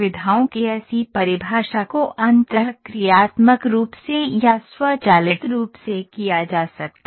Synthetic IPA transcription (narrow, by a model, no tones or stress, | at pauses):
ʋɪd̪ʱaːõkeɛːsipɐɾɪbʱaːʃakoʔɐ̃nt̪əkɾijaːt̪məkɾuːpsejaswət͡ʃaːlɪʈɾuːpsekijad͡ʒaːsɐk̚t̪a